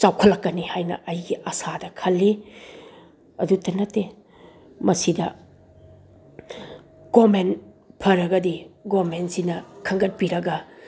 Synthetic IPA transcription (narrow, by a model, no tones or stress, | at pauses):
t͡ʃawkʰɐlːɐkːɐnihajnɐ̰ʔɐjɡiʔɐsadɐkʰɐlːi | ɐdutɐnɐtːe | mɐsidɐ | ɡ̥omen | pʰɐɾɐɡɐdiɡomensinɐkʰɐŋɡɐt̚piɾɐɡɐ